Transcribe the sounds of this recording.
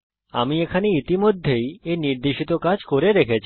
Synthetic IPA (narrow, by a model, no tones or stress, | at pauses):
a̰miekʰaneit̪imod̪ʱːejeniɾd̪eʃit̪okad͡ʑkoɾeɾekʰet͡ɕʰ